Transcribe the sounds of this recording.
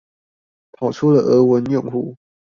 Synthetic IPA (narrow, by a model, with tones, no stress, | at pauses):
t̪ʰɑ˨˩ʊʈ͡ʂʰu˥lə˨˩ʔə˧˥wə˧˦njʊ˥˨ŋxu˥˩